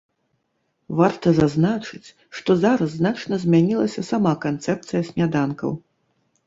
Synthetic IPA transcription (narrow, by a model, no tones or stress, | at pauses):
vart̪ɐzaznat͡ʂɨt͡sʲ | ʂt̪ɔzaɾɐzːnat͡ʂnɐzʲmʲanʲilˠɐsʲɐsamakant̪sɛp̚t̪sɨjɐsʲmʲad̪ankɐ̰w